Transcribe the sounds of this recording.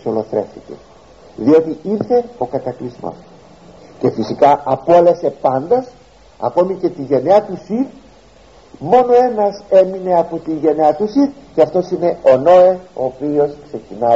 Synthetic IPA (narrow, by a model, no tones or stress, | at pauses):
solo̞θɾe̞fθice̞̰ | ðio̞t̪iiɾθe̞o̞kɐt̪ɐklizmo̰s | ce̞fisikɐʔɐpolese̞pɐnd̪ɐs | ɐ̰ko̞mice̞t̪iʝe̞neɐt̪usiɾ | mo̞no̞e̞nɐse̞mine̞ɐpot̪iʝe̞neɐt̪usiɾceɐft̪o̞sine̞ʔo̞no̞eo̞ːpio̞skse̞cinɐ